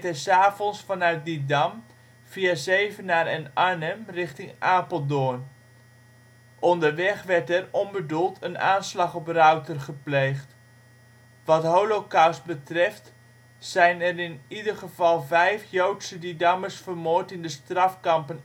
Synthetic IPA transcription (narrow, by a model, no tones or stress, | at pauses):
tɛsaːvɔnsfɑnœɥt̚didɑm | v̥iazejvənaːrɛnanəmrɪχtɪŋʔaːpəlˠdʊn | ʔɔndəɹʋɛχʋɛɹtɛrɔnbədulˠtʰəna̰ːnslɑχɔprœwtərχəplejχt | ʋɑtɦowlokawst̚bətrɛft | sɛjnɛrɪnidəɹχəv̥ɑlˠvɛjfjowtsədidɑməɹsfərmʊːɹtɪndəstrɑfkɑmpən